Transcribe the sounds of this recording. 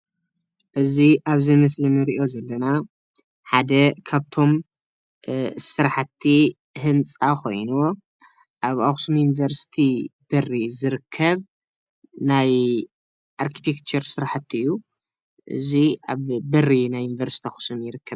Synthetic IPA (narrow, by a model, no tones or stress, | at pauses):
ʔɨziʔaβzɐjmɐslɐnɨɾiʔo̞zɐlːɐna | ħad̪ɐkʰaβt̪ʰo̞m | sɨɾaħat̪ʰːi | hɨnt͡sʼakʰo̞jnu | ʔaβaxsumjunivɐɾsi̥t̪ʰib̥ɐrizɨɾɨkʰːɐβ | naj | ʔaɾkʰi̥t̪ʰekt͡ʃʰɐɾsɨɾaħat̪ʰːiɨjːu | ʔɨ̰ziʔaβbɐrːinajːunivɐɾsi̥t̪ʰiaxsumjɪɾɨkːɐβ